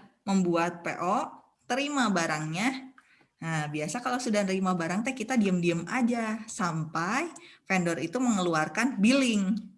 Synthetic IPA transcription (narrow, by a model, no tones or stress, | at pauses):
məmbuat̪̚pḛʔo | t̪əɾimabaɾaŋɲa | abiasakalasudahnəɾimabaɾaŋt̪ajkit̪adiəmdiəmad͡ʒasampajfɛndɔɾit̪uməŋəluarkanbilɪŋ